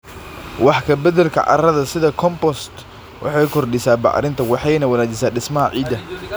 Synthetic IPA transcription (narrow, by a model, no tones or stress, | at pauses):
wɑħkʰɐbɛd̪ɛlkʰɐ̰ʕɑ̰rɐðɐsɪðɐkʰɔmpɔst̪ | wʔɑ̰ħɑjkʰɔrɖɪsaːbɑ̰ʕɾɪnt̪ʰɐwɑħɑjnɐwɐnaːt͡ʃɪsaːɗɪsmɐɦɐʕḭːd̪ɐ